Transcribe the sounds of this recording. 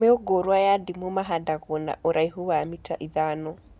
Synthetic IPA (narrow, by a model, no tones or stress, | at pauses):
ɛɔɡɔɾwajadimumaɦadaɣɔna̰ʔɔɾaiɦuwaamitʰa̰ʔiðanɔ